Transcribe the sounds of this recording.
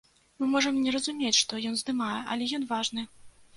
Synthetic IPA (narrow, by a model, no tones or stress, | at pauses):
mɨmɔʐɐmnʲɛɾɐzumʲet͡sʲʂt̪ɔjɔnzd̪ɨmajɛʔɐ̰lʲɛjɔnvaʐnɨ